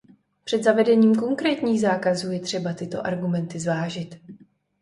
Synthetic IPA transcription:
pr̝̥ɛd̪zavɛdɛɲiːmko̞ŋkɾɛːt̪ɲiːɣzaːkazuːjɛt̪r̥ɛbat̪ɪt̪o̞̰ʔaɾɡumɛnt̪ɪzvaːʒɪt̪

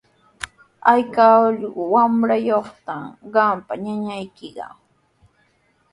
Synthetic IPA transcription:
ajkaʎɢʊwamɾajoχt̪amɢɑmpaɲaɲajkɪɢɑ̰

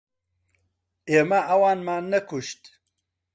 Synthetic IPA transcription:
eːmaʔɐwɑːnmaːnɐkʰuʃt̪

